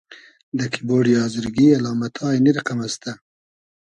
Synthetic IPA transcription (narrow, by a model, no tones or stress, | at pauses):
d̪əkʰiboːɖijɑːzɪɾɡialɑːmat̪ʰɑːjiniɾaqamast̪a